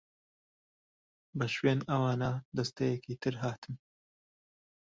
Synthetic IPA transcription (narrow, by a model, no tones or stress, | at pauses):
bɐʃweːnɐwaːnad̪ɐst̪ɛjɛkiːt̪ʰɨɾɦaːt̪ʰɨm